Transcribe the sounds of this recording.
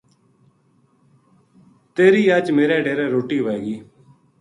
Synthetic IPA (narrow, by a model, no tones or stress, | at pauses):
t̪eːɾiːaːt͡ʃmeːɾɛːɖeːɾɛːɾoːʈiːʋɛːɡiː